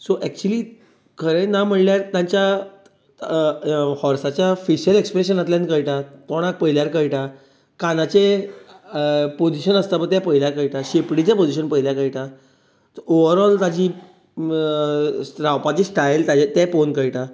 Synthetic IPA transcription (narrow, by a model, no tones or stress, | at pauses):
soʔɛk̚t͡ɕuəliː | kʰəɾẽnam̤əɳljaɾt̪jãɲt͡ɕja | hɔɾsat͡ɕjafiɕəlekspɾeɕənat̪lãnkəjʈat̪oɽ̃ak̚pəɦiljaɾkəjʈa | kanat͡ɕe | pod͡ʑiɕənəst̪abət̪japəɦiljakəjʈaɕepɽit͡ɕapod͡ʑiɕənpəɦiljakəjʈa | t̪oʋəɾɔlt̪ad͡ʑiː | ɾawpat͡ɕisʈajlt̪ad͡ʑat̪ɛponkəjʈa